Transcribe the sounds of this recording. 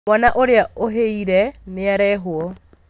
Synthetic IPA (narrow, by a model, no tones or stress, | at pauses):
ɔnaʔoɾɪaoɦeiɾɛnɪaɾɛɦʊɔ